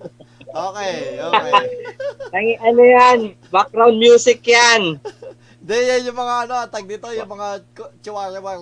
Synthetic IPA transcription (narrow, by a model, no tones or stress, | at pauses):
ʔokejo | t̪ɐŋiʔɐnojan | bak̚ɾawnd̪̚mjuːsɪkjan | d̪ɛjajʊŋmɐŋaɐnot̪ɐɡ̚d̪it̪ojʊŋmɐŋa | t͡ʃʊwaɾɪwa